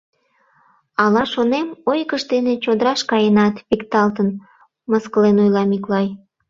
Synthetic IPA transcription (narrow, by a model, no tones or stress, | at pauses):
ɑlɑʃonemojkəʃd̪enet͡ɕod̪əɾɑʃkɑjenɑt̪pikt̪ɑlt̪ən | məskəlenojlɑmiklɑj